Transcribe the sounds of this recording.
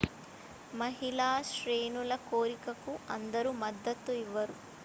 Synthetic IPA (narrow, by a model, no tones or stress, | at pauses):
mɐɦilaːʃɾeːnulɐkoːɾikɐkuɐnd̪ɐɾumɐd̪ːɐt̪ːuiʋːɐɾu